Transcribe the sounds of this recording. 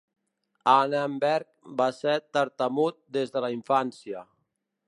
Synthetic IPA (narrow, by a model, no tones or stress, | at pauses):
anembɛɾkbaseɾt̪əɾt̪əmut̪̚d̪ezðəlaiɱfansiə